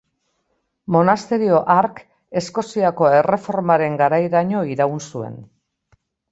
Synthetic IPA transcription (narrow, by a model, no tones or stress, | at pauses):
mo̞nast̪e̞ɾio̞ʔaɾk | e̞sko̞siako̞e̞re̞fo̞ɾmaɾe̞ŋɡaɾajɾaɲo̞iɾaunsue̞̰n